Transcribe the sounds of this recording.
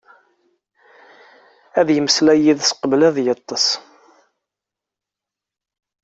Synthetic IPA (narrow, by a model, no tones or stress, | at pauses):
æðjəmslæjiðsqəblæðjət̪ˤːəs